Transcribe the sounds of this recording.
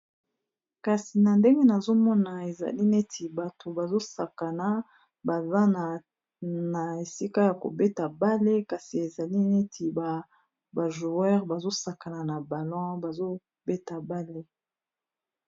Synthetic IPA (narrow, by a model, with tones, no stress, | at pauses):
ka˨si˨na˨nde˦ŋɡe˦na˨zo˦mɔ˦na˨e˨za̰˨li˦ne˦tʰi˨ba˨to˨ba˨zo˦sa˨ka˨na˨ | ba˨za˦na˨ | na˨e˨si˦ka˦ja˨ko̰˨be˦ta˨ba˦le˦ka˨si˨e˨za˨li˦ne˦tʰi˨ba˨ | ba˨ʒu˨ɛ˦ʁba˨zo˦sa˨ka˨na˨na˨ba˨lɔ̃˦ba˨zo˦ | be˦ta˨ba˦le˦